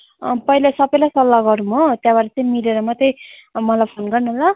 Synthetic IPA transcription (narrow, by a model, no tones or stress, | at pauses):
pʌilasʌbʌjlajsʌlːaɡʌɾumot̪jãbaɾat͡saĩmiɾeɾʌmat̪emʌlajpʰonɡʌrnʌɦla